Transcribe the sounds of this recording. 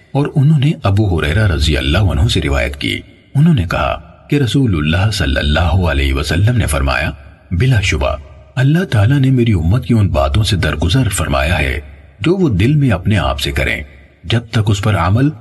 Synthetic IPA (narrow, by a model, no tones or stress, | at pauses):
ɔːɾʊnɦõːneʔɐbuɦʊɾɛ̰ːɾaɾɐzijɐ̰lːaːɦʊnɦõseɾɪ̰ʋa̰ːjə̰t̪kḭː | ʊnɦõːnekɐɦa̰keɾɐsuːlʊlːaːɦsɐlːə̰lːaːɦoɐlɛːɦʋɐsɐlːəmnefɐɾma̰ːja | bɪlaʃʊba̰ | ɐlːaɦt̪aːlanemeːɾiʊmːət̪̚kiʊnba̰ːt̪õsed̪ɐɾɡʊzəɾfɐɾma̰ːjaɦɛ̰ | d͡ʒoːʋod̪ɪlmẽɐpnea̰ːpsekɐɾʔḛ̃ː | d͡ʒɐb̚t̪ɐkʊspɐɾɐ̰məl